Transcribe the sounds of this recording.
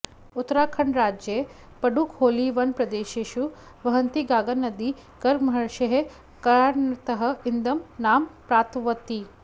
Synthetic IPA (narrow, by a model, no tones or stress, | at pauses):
ut̪ːɾaːkʰɐɳɾaːd͡ʒje | pɐɖukhoːliʋɐnpɾɐd̪eːʃeːʃu | ʋɐɦɐnt̪iɡaːɡɐnɐd̪i | ɡ̥ɐɾɡmɐɦɐɾʃɐɦe | kɐɾaːɾnɐt̪ɐɦɐ̆ind̪ɐmnaːmpɾaːt̪ʋɐt̪ːi